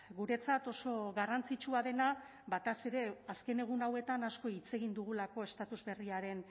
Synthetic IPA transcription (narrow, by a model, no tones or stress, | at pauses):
ɡuɾe̞t͡sat̪o̞so̞ɣarant͡sit͡ʃuað̞e̞na | βat̪ase̞ɾe̞aske̞ne̞ɣ̞unawe̞t̪anasko̞it͡se̞ɣind̪uɣ̞ulako̞e̞st̪at̪uzβe̞riaɾe̞n